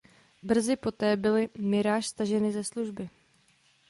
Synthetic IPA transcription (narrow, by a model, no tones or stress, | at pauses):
br̩zɪpot̪ɛːbɪlɪmɪɾaːʃst̪aʒɛnɪzɛsluʒbɪ